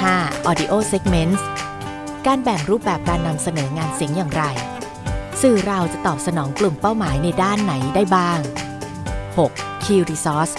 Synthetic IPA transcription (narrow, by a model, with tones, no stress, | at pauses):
haː˥˩ʔɔː˧di˧ʔoː˥˩se˦˥k̚me˦˥ns | kaː˧nbɛ˨˩ŋɾuː˥˩p̚bɛː˨˩p̚kaː˧nːa˧msa˧nɤː˩˦ŋaː˧nsi˨˩˦ŋjaː˨˩ŋɾa˧j | sɯː˨˩ɾa˧wt͡ɕa˨˩t̪ɔː˨˩p̚sa˧nɔː˩˦ŋklu˨˩mpa˥˩wmaː˩˦jna˧jdaː˥˩nːa˩˦jdaː˥˩jbaː˥˩ŋ | ho˨˩k̚ʰːiː˧ɾiː˧sɔː˦˥s